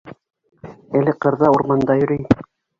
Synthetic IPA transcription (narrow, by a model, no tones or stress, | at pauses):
ælɘqɤ̆ɾðɑuɾmɑnd̪ɑjɵ̆ɾɘj